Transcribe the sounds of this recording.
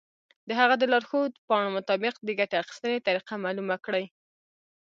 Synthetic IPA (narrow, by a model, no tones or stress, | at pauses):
d̪əɦaɣad̪əlɑɾxod̪pɑɳ̃omʊt̪ɑbɪqd̪əɡaʈaaxi̥st̪ənet̪aɾiqamɑlumakɽaj